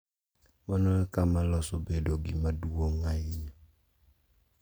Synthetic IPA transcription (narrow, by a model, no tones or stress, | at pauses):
mɔnɔkamalɔsobedoɡimaduoŋaiɲa